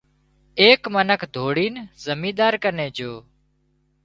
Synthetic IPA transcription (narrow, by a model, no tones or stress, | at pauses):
eːkmənəkʰd̪ʱoːɽiːnzəmĩːd̪aːɾkəneːd͡ʒoː